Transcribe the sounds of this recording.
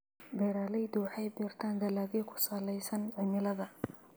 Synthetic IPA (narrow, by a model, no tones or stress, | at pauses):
bɛːɾaːlɛjd̪ʊwħɛjbɛːrt̪ʰaːnd̪ɐlaːɣɛjkʰʊ̥saːlɛjsɐnʕɪmɪlɐðɐ